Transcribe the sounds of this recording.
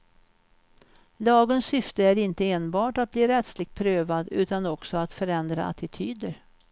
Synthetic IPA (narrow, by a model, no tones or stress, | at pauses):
lɑːɡənsːʏft̪əæɾɪnt̪əeːnbɑːʈat̪̚bliːɾɛt̪slɪɡ̚t̪̚pʰɾøːvad̪ʉ̟ːt̪anɔksɔat̪fœɾɛnd̪ɾa̰a̰t̪ʰɪt̪ʰyːd̪əɾ